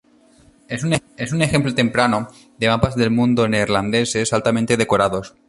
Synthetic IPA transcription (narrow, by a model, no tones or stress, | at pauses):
esunesune̞xe̞mplot̪e̞mpɾano | ðemapazðe̞lmũnd̪oneɾland̪e̞se̞salt̪amẽnt̪e̞ð̞e̞koɾaðo̞s